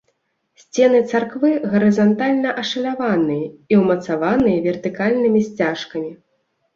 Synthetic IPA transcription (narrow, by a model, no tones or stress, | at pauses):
sʲt͡sʲɛnɨt̪sarkvɨɣɐɾɨzant̪alʲnɐʔɐʂɐlʲavanɨjɐiwmɐt̪savanɨjɐvʲɛrt̪ɨkalʲnɨmʲisʲt͡sʲaʂkɐmʲi